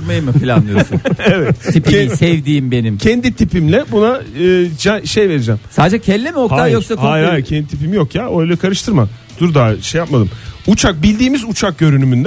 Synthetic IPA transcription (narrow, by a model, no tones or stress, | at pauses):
majɯmɯfilʲanlˠɯjosuevɛt̪ʰipːsɛvd̪iːmbe̞nimcʰɛnd̪it̪ʰipimlʲɛbunaɯːd͡ʒaʃejve̞ɾid͡ʒɛmsaːd̪ed͡ʒɛcʰɛlʲːemioktʰajoksakhoajajcʰɛnd̪it̪ʰipimijo̞kjaøjlʲɛkʰaɾɯʃt̪ʰɯɾma | d̪̥uɾd̪aːʃejapmad̪ɯmut͡ʃʰak̚bilʲd̪iːmizut͡ʃʰak̚ɟø̞ɾynymynd̪ɛ